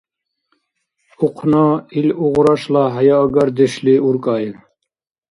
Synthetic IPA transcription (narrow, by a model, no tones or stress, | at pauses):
uqʰnɑiluʁɾɑʃlaɦajɑːɡaɾd̪ɛʃliuɾkʼɑːji